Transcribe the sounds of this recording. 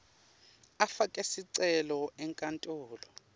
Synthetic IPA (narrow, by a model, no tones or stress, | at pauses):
afakʼɛsiǀɛlɔʔɛŋkʼantʼuːlɔ